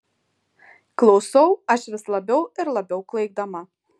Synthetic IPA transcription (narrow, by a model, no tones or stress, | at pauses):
klˠɐʊsɐwɐʃʋʲɪslˠɐbʲɛwɪɾlˠɐbʲɛʊklˠɐɪɡ̚d̪ɐmɐ